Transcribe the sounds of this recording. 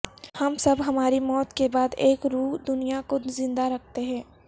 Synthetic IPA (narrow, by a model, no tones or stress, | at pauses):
hɐmsɐbɦɐmaːɾimɔːt̪kebaːd̪eːkɾuːɦd̪ʊnijakozɪ̃nd̪aɾɐk̚ʰt̪eɦɛ̃ː